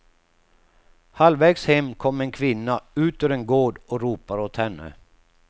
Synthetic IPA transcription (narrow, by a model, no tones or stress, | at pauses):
halvɛɡshɛmːkʰɔmːenkʰvɪnːaʉ̟ːt̪øɾenɡoːɖɔɾuːpaɾɔt̪hɛnːə̰